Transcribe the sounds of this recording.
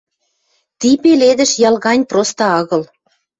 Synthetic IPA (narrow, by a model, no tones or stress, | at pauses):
t̪ipeled̪ə̆ʃjɑlɣɑnʲprost̪ɑɑɣɤ̆l